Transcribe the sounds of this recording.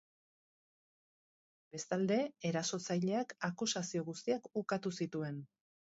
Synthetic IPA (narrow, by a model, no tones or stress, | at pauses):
be̞st̪ald̪e̞ːɾaso̞t͡sajʎe̞akakusasio̞ɣ̞ust̪iakukat̪usit̪ue̞n